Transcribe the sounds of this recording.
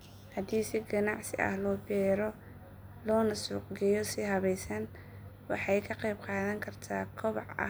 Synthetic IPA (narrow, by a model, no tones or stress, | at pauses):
hɐd̪iːsɪɡɐnɑʕsɪ̰ʔɐ̰hlɔːbɛːɾɔ | lɔːnɐsuːqɡɛjɔsɪɦɐβɛjsɐn | wɑħɑjkʰɐqɑjb̚qɑːðɐŋkʰɐrt̪ʰaːkʰɔβɑ̰ʕɐ̰